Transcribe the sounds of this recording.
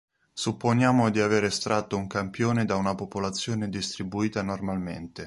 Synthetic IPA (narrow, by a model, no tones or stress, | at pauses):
supːonjaːmod̪iaveːɾest̪ɾʔat̪ːouŋkampjoːned̪aunapopolat̪sːjoːned̪ist̪ɾibuiːt̪anormalmḛnt̪e